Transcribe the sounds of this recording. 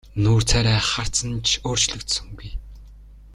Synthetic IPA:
nuːr̥t͡sʰæːɾæːχar̥t͡sə̆nt͡ɕʰoːr̥t͡ɕɮɵ̆kt̪sɵ̆ŋɡuj

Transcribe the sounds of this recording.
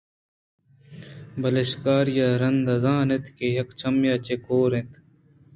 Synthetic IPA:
bɐlɐɕkaːɾjaɾɐnd̪ɐzaːnet̪ʰkejɐkt͡ɕʰɐmjaːt͡ɕekʰoːɾẽt̪

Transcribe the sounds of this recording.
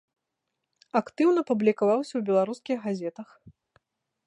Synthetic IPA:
akt̪ɨwnɐpublʲikavawsʲɐwbʲɛlˠaɾuskʲiɣɣazʲɛt̪ɐx

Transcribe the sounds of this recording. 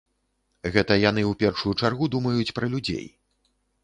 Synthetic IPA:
ɣɛt̪ɐjan̪ɨupʲɛrʂujut͡ʂarɣud̪umɐjut͡sʲpɾɐlʲud͡zʲḛj

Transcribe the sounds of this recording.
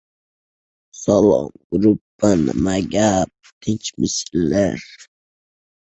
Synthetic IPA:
salɔ̰mɡɾupː | an̰maɡap̚t̪ʰit͡ʃmisilːɛɾ

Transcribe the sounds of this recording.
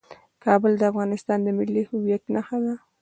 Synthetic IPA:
kɑbəld̪əafɣɑnɪst̪ɑnd̪əmɪlːihʊwjaknaxad̪a

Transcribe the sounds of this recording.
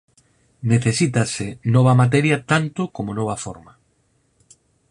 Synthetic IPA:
neθesit̪ɐsɪnɔβɐmat̪̬ɛɾjɐt̪ant̪ʊkomonɔβɐfo̰ɾma

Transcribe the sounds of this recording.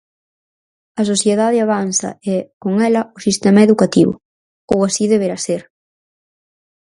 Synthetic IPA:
ɐs̬oθjeðaðɪaβ̞anθɐ̰ɛkoŋɛlɐʊsist̪ɛmɐeðukat̪iβʊ̰ | owasiðeβeɾaseɾ

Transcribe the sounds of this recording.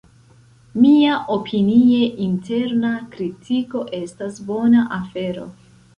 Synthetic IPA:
miaʔo̞pʰinie̞ʔintʰe̞ɾnakɾitʰiko̞ʔe̞stasbo̞naʔafe̞ɾo̞̰

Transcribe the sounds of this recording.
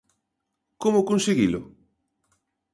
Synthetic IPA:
komʊkonseɣilʊ

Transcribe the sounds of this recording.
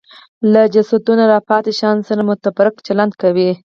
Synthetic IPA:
lad͡ʒasad̪unaɾɑpɑt̪eʃɑnsaɾamʊt̪abaɾɪkt͡ʃaland̪̚kawi

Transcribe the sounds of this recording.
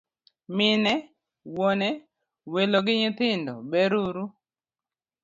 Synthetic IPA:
mɪnɛ | wonɛ | weloɡɪɲɪt̪ɪndɔ̰beɾuɾu

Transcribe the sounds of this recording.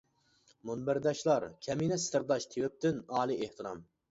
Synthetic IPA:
munbɪɾd̪ɑʃlˠɑɾkʲʰɛminɛsɪ̥t̪ʰɪɾd̪ɑʃt̪ʰewɪp̚t̪ɪnɑːlˠiʔeht̪ɨɾɑm

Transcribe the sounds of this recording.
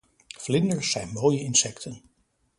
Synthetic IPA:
flɪndəɹsɛjnmoːjəɪnsɛktʰən

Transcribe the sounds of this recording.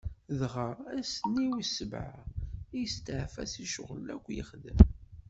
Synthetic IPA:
ðʁəɾæsənːiwisəbʕaijst̪əʕfæsiʃʊ̰ʁlːæ̰kʷːjə̰χðəm

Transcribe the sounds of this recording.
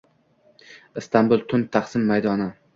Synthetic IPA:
ɪst̪ʰambʊlˠt̪ʰʊnt̪ʰaχsɪmːajd̪ɒnɪ

